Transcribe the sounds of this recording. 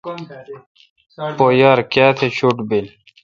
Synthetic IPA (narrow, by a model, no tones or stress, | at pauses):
pojaɾkaːt̪ʰet͡ɕʰuʈbil